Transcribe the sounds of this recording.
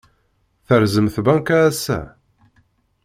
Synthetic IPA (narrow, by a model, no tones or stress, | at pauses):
θəɾzəmθbæŋkææsːæ̰